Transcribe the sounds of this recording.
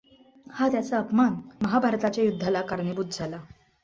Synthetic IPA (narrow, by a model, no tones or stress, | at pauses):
hat̪jat͡saəpmanməɦabʱaɾt̪at͡ɕjajud̪ʱːalakaɾnebud̪d͡zʱala